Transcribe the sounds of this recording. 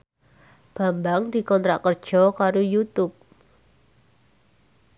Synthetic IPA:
b̥a̤mbaŋdi̤kɔnt̪ɾakərd̥ʒ̥ɔkaɾojut̪ʊp̚

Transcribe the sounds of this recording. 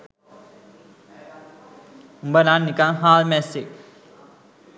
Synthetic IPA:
umbənanːikaŋɦaːlmɛsek̚

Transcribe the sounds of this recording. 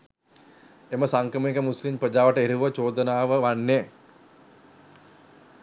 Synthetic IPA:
eməsaŋkɾəməikəmuslimpɾəd͡ʒaːʋəʈəeɾiʋət͡ʃoːd̪ənaːʋəʋanːe

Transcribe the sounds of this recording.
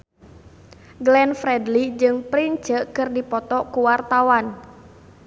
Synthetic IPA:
ɡlɛnfɾɛdlid͡ʒɨŋpɾin̥d͡ʒəkɨrdipɔt̪ɔkuwart̪awan

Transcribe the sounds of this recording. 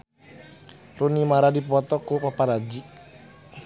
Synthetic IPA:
runimaɾadipɔt̪ɔkupapaɾad͡ʒi

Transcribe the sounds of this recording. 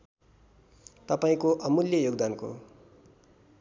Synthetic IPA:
t̪ʌpaĩkoʔʌmuljʌjoɡd̪anko̰

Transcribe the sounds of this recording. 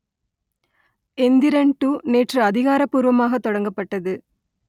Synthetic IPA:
ɛnd̪ɪɾɐɳʈuːneːʈrɐɐðɪɣaːɾɐpːuːɾʋɐmaːɣɐt̪ːɔɽɐŋɡɐpːɐʈːɐðɯ

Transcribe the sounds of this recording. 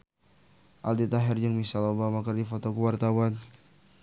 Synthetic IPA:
ʔaldit̪aɦɛrd͡ʒəŋmisalobamakərdifot̪okuwart̪awan

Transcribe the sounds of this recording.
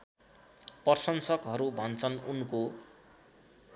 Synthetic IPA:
pʌrsʌnsʌkɦʌɾubʱʌnt͡sʰʌnunko

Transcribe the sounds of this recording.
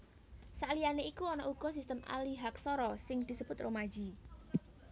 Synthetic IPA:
salijaneikuɔnɔʔuɡ̥ɔ̤sist̪əma̰liɦak̚sɔɾɔsɪŋd̪̥i̤səb̥ʊt̪romḁʒ̥i

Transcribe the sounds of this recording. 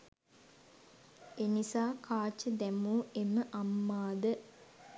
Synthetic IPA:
enisaːkʰaːt͡ʃəd̪æmuːeməʔamːaːd̪ə

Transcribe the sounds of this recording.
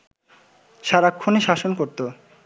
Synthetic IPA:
ʃaɾakʰːoneʃaʃonkoɾt̪o

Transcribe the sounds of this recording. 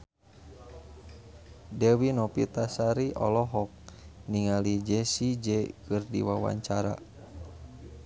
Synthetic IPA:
dɛwinɔpit̪asaɾiʔɔ̰lɔɦɔk̚niŋalid͡ʒɛsid͡ʒɛkɨrdḭwawa̰ɲt͡ʃaɾa̰

